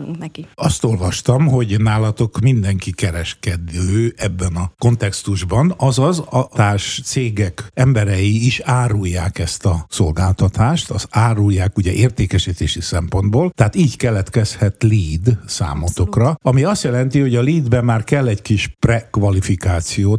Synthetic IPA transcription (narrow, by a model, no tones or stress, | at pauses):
ukiɒst̪o̞lvɒʃt̪ɒmɦo̞ɟnaːlɒt̪o̞kmind̪ɛŋkikɛɾɛʃkɛd̪øːɛbːɛnɒko̞nt̪ɛkst̪uʒbɒnɒzɒzɒt̪aːrʃt̪seːɡɛkɛmbɛɾɛjiiʃaːɾujːaːkɛst̪ɒso̞lɡaːlt̪ɒt̪aːʃt̪ɒzaːrujːaːkuɟɛʔeːrt̪eːkɛʃit̪eːʃisɛmpo̞nd̪boːlt̪ɛɦaːt̪iːɟkɛlɛt̪kɛshɛt̪liːd̪sa̰ːmot̪o̞krɒɒmiɒst̪jɛlɛnt̪iho̞ɟɒliːd̪bɛmmːaːrkɛlːɛɟkiʃprɛkʋɒlifikaːt̪sijoːt̪